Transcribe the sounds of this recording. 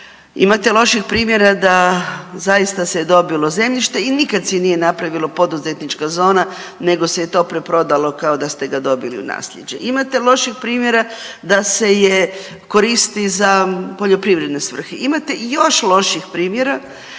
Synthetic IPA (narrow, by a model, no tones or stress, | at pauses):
ḭmat̪elˠo̞ʃixpɾiːmje̞ɾad̪azajist̪aseed̪o̞bilˠo̞ze̞mʎiʃt̪e̞inikad̪senijenapɾaʋilˠopo̞d̪uze̞t̪nit͡ʃkazo̞ːnane̞ɡo̞sejet̪o̞ːpɾepɾo̞d̪alo̞kaod̪ast̪e̞ɡad̪o̞bilḭṵna̰ːslʎe̞̰d͡ʑḛʔimat̪elˠo̞ʃixpɾiːmje̞ɾa | d̪ase̞je | ko̞ɾist̪izapo̞ʎo̞pɾiʋɾe̞d̪ne̞sʋr̩xeimat̪e̞jo̞ʃlo̞ʃixpɾiːmjeɾa